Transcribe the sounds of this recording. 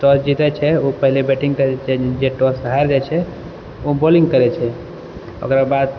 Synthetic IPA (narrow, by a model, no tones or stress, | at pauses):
ʈɔsd͡ʒit̪ɛt͡ʃʰɛopəɦilebeʈĩŋkəɾt͡ʃʰɛd͡ʒeʈɔsɦajɾd͡ʒat͡ʃʰɛ | obolĩŋɡkəɾɛt͡ʃʰɛ | o̰kɾabad̪̚